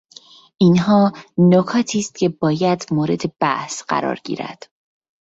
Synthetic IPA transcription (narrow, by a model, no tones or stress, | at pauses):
ʔinɦɒːnokʰɒːt̪ʰiːst̪̚cʰe̞bɒːjæd̪moːɾe̞d̪e̞b̥æhsɢæ̰ɾɒ̰ːɾɟḭːɾæ̰d̪̥